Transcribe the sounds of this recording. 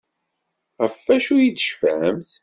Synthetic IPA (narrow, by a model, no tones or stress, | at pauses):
ʁəfːæʃujid̪ʃfæmθ